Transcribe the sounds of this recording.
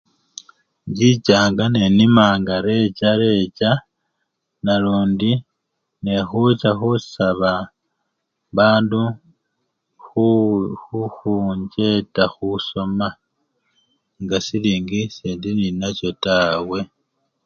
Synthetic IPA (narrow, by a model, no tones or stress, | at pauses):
ɲɟit͡ʃaːŋɡane̞nimaːŋɡaɾe̞t͡ʃaɾe̞t͡ʃa | naɾuːndi | nexut͡ʃaxusaβa | βaːndu | xuxuxuɲɟe̞taxuso̞ma | ŋɡasiliːŋɡiseːndininat͡ʃo̞taːwe̞